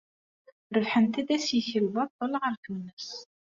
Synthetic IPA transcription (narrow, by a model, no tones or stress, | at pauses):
ɾəvħənt̪id̪æsjəçəlbɑt̪ˤːolʁəɾt̪unəs